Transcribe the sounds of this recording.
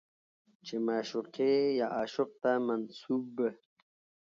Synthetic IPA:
t͡ʃemaːʃuqejaʔaːʃʊq̚t̪amɐnsuːbə

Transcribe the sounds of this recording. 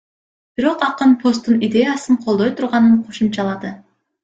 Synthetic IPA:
b̥iɾo̞qɑqɯnpʰo̞st̪ːunid̪ʲe̞jasɯɴqʰo̞lˠd̪o̞jt̪ʰuɾʁɑnɯɴqʰo̞ʃumt͡ʃɑlˠɑd̪ɯ

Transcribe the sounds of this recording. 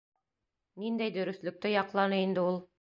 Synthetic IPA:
nind̪æjd̪ɵ̆ɾɵ̆θlɵ̆k̚t̪ɘjɑqlˠɑnɤind̪ɘulˠ

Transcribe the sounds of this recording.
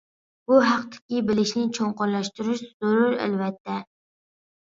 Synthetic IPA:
buɦæqt̪ʰɪ̥kʲibɪlɪʃnɪt͡ʃʰoŋqʊɾlˠɑʃt̪uɾuʃz̥oɾuɾæ̰lvɛt̪ʰːɛ

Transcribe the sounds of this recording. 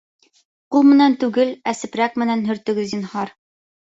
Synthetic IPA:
qulˠmɘ̆nænt̪ʉɡɘlæsɘ̆pɾæk̚mɘ̆nænɦɵ̆ɾt̪ɵ̆ɡɘ̆zinhɑɾ

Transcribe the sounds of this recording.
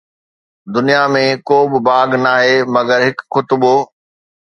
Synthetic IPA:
d̪ʊnijamẽkoːbɪbaːɡnaːɦeːmɐɡəɾɦɪkxʊt̪boː

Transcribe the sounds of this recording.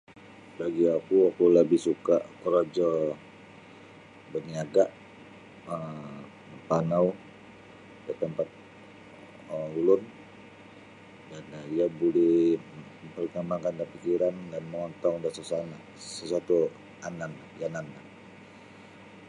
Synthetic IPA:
baɡiakuakuləbɪhsukaʔkəɾad͡ʒɔ | bərniaɡaʔ | ə | məmpanaw | dət̪əmpat̪̚ | əulʊn | daniabolɛh | əmpərkəmaŋkankapikiɾandanməŋɔnt̪aŋndasəsan | səsat̪u | anan | janana

